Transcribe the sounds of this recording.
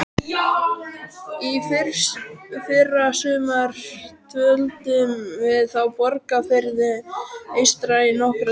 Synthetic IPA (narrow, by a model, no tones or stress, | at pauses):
ifɪɾsfɪrːasʏːmaɾ̥t̪ʰvœlt̪ʏmvɪðθawpɔɾkafeɾðɪejst̪ɾainɔhkɾʏ